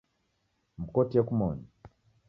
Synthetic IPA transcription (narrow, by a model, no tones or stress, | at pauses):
m̩kɔtijakumɔɲɔ